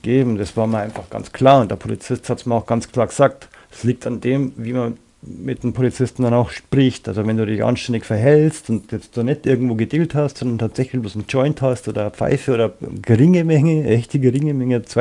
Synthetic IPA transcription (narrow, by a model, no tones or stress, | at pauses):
ɡ̥eːbm̩d̥asv̥aːɐmiəɐaɪnfaχɡ̥a̰nt͡skʰl̥aːɐʊntd̥eːɐpʰolḭt͡sɪsthatsmiəɐaʊxɡ̥ant͡skʰl̥aːɐɡəz̥aːk̚t | sliːk̚tʰandeːmviːmɐ | mɪt̚d̥eːnpʰolit͡sɪstn̩danaʊxʃpʁ̥ɪçtʔa̰lzovɛnduːdɪçʔa̰nʃtɛndɪçfɛɐɦɛlstʊntjɛt͡st̚d̥uːnɛtʔɪɐɡŋ̩tv̥oːɡədiːlthastsɔndɐntʰaːtz̥ɛçlɪçl̥osn̩d͡ʒ̥ɔʏnthastʔoːdɐp͡fa̰ɪfəoːdɐɡəʁɪŋəmɛŋəʔɛçtəɡəʁɪŋəmɛŋət͡sa